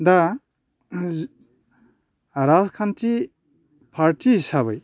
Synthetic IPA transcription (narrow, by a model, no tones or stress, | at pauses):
d̪a | ɾazkʰanti | pʰaɾtisaβɯj